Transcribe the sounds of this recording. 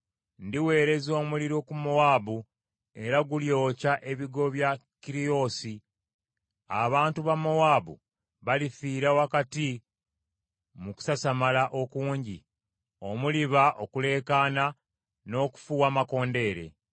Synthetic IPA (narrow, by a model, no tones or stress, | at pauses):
ndiwe̞ːɾe̞zo̞ːmuliɾokumowaːbu | e̞ɾaɡuljo̞ːcaʔe̞βiɡo̞βjakiɾio̞si | aβaːntuβamːowaːbṵ | βalifiːɾawakati | muku̥sasamalaʔo̞kuːɲɟi | o̞muliβaʔo̞kule̞ːkaːna | no̞ːku̥fuwaːmako̞ːnde̞ːɾe̞̰